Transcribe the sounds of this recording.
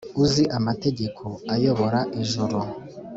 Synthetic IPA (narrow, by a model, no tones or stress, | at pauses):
uziʔamate̞ɟe̞kʰo̞ajo̞βo̞ɾaʔiʒoɾo